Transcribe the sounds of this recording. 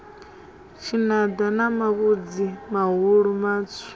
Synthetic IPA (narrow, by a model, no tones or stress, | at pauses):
t͡ʃʰinad̪anamaβud͡zimaɦuɺumaːt͡sʰu̥